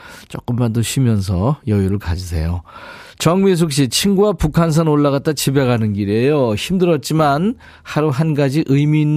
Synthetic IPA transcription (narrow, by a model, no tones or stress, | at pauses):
t͡ɕ͈ʌk͈ɯmmandoɕʰimjʌns̬ʰʌjʌjuɾɯɭkad͡ʑis̬ʰe̞̰jo | t͡ɕʌŋmis̬ʰuk̚ɕ̬͈it͡ɕʰinɡuwapukʰans̬ʰanoɭːaɣat̚t͈at͡ɕibe̞ɡanɯnɡiɾejoçimdɯɾʌt̚t͡ɕ͈iman | haɾuɦanɡad͡ʑiʔɯjmiːnː